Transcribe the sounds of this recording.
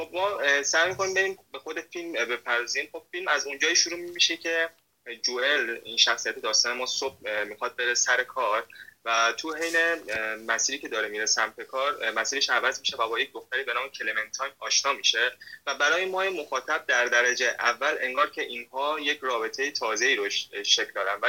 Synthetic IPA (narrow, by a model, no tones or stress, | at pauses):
xo̞b̚mɒːsæjmikʰo̞nimbe̞ɾiːmbe̞xo̞d̪e̞filmbe̞pʰæɾd̪ɒziːmxo̞b̥filmæzund͡ʒɒːiʃuɾuːmimiʃecʰe̞ | d͡ʒue̞lḭnʃæxsijæt̪ʰe̞d̪ɒːst̪ɒːnemɒːsob̚mixɒd̪̚be̞ɾe̞sæɾe̞kʰɒːɾvæt̪ʰuɦejnemæsiːɾiːcʰe̞d̪ɒːɾemiɾesæmp̪ʰe̞kʰɒːɾmæsiːɾeʃævæzmiʃe̞væbɒːje̞c̚d̪o̞xt̪æɾiːbe̞nɒːme̞cʰe̞leme̞nt̪ʰɒjɒːʃnɒːmiʃe̞væbæɾɒːjemɒːjemo̞xɒːt̪ʰæb̚d̪æɾd̪æɾæd͡ʒeʔævːælʔe̞ŋɡɒːɾcʰe̞ʔiːnhɒːjecʰɾɒːbe̞t̪ʰe̞jet̪ʰɒːze̞iːɾoʃʃecld̪ɒːd̪ænvæ